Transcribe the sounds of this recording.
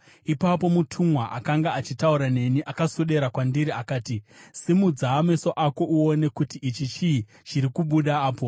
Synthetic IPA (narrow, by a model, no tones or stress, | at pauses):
ipapo̞mutʰumwaʔa̰kaŋɡaat͡ʃitauɾane̞niʔakasoɗe̞ɾakwandiɾiakaːtisimud͡zaːmeso̞ʔako̞ʔuone̞kutiʔit͡ʃit͡ʃi | t͡ʃiɾikuɓuɗaːpo̞